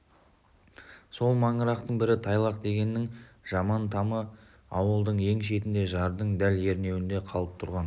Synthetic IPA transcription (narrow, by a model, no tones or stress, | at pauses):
so̞lˠmɑɴəɾɑqt̪əɴbɪɾɪt̪ʰɑjlˠɑqd̪e̞ɡʲe̞nːɪŋʒ̥ɑmɑnt̪ʰɑmə | ɑwəlˠd̪əɴje̞ŋʃ̬e̞t̪ɪnd̪eʒɑɾd̪əɴd̪ælje̞ɾne̞wɪnd̪e̞qʰɑlˠəp̚t̪ʰʊɾʁɑn